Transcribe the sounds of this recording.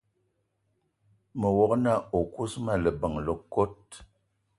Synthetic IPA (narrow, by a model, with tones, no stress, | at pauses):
mə˨wɔ˨kna˦˨o˨ku˦sma˦˨lə˨bə˨ŋlə˨ko˦t̚